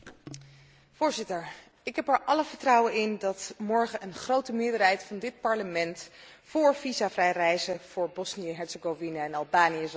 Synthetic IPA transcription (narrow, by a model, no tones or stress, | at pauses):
v̥ʊːɹzɪtəɹ | ɪkɦɛpəɹʔɑləvəɹtrʌwənɪndɑtmɔɹχənʔənχrowtəmɪːɹdəɹɦɛjtfɑndɪt̚pɑɹləmɛnt | fʊːɹvizavrɛjrɛjzəv̥ʊːɹbɔsnijəɦɛɹtsəɡovinaɛnɑlˠbaːnijəz